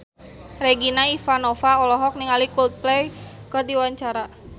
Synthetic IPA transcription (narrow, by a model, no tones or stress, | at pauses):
rɛɡinaifanɔfaɔlɔɦɔk̚niŋalikult̪̚plɛjkɨrdiwaɲt͡ʃaɾa